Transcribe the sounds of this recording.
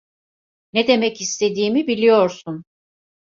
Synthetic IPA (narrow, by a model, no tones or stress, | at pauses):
ned̪e̞mɛcist̪ʰe̞d̪iːmibilʲijo̞ɾsun